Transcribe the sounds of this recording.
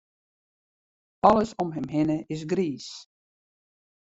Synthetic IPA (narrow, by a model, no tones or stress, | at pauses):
ɑləsɔmɦɛmɦɪnəɪs̬ɡriːs